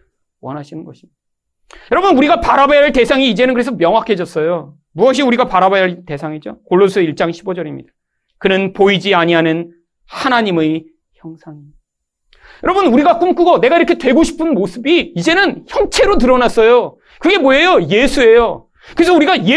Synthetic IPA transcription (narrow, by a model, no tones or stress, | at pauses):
wʌnɦaɕʰinɯnɡʌɕʰim | jʌɾʌbunuɾiɡapaɾabajaɭte̞sʰaŋiːd͡ʑe̞nɯnkɯɾe̞sʰʌmjʌŋɦwakʰe̞d͡ʑʌs͈ʌjo | muʌɕ̬ʰiuɾiɡapaɾabajaɭte̞sʰaŋid͡ʑokoɭːosʰɯiɭt͡ɕ͈aŋɕʰibod͡ʑʌɾimɲḭd̥ḁ | kɯnɯnpoid͡ʑiaɲiɦanɯn | hanaɲime | çjʌŋsʰaŋi | a | jʌɾʌbunuɾiɡak͈umk͈ɯɡone̞ɡaiɾʌkʰetwe̞ɡoɕʰi̥pʰɯnmosʰɯbiːd͡ʑe̞nɯnçjʌnt͡ɕʰe̞ɾot̬ɯɾʌnas͈ʌjo | kɯɡe̞moejoje̞sʰue̞jo | kɯɾes̬ʰʌuɾiɡaje